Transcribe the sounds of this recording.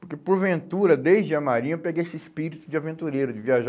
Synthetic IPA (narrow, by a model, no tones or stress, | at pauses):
poɾkepoɾvẽnt̪uɾɐd̪ejzd͡ʒɪɐmaɾĩɲɐpeɡejesɪɪspiɾit̪ʊd͡ʒɪavẽnt̪uɾejɾʊd͡ʒɪviaʒ